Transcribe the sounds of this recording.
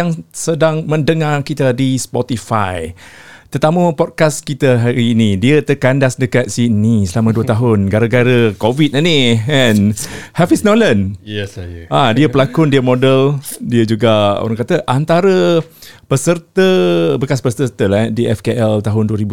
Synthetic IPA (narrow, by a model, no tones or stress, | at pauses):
aŋsədaŋmə̃ndəŋarkit̪adispɔt̪ifa̰jt̪ərt̪aməpɔd̚kaskit̪əɦaɾiːnidiət̪əkandasdəkat̪̚sinisəlamãduət̪aɦʊnɡaɾəɡaɾəkovit̪̚aniɛnhafisnɔlən | adiəpəlakʊndiəmodəldiəd͡ʒuɡao̰ɾaŋkat̪əʔant̪aɾəpəsərt̪əbəkaspəsəərt̪əladiʔɛfkeʔɛlt̪aɦʊnduəɾibu